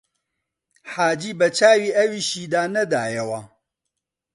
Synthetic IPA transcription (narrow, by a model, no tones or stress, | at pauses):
ħaːd͡ʒiːbɐt͡ʃaːwiːɐwiːʃiːd̪aːnɐd̪aːjɐwɐ